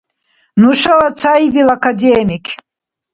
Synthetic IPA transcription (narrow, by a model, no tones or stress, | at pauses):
nuʂawat͡sʰajbilakʰad̪emikʲʰ